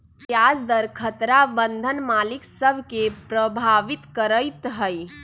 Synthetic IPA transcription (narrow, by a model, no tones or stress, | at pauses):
kjasd̪əɾkʰət̪ɾabənd̪ʱənmaliksəbʱkepɾəbʱaʋit̪kəɾəjt̪ɦəj